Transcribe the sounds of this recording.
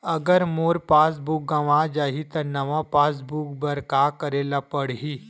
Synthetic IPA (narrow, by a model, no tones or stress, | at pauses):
əɡəɾmoːɾpaːsbuk̚ɡaʋad͡ʒaːɦit̪ɐɾnɐʋapaːs̬bukbəɾkakəɾelapəɽɦi